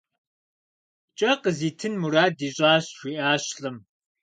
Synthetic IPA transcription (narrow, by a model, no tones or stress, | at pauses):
t͡ʃʼɐqəziːtʰɨnmuɾaːdiːɕʼaːɕɕʷiːʔaːɕɬɨm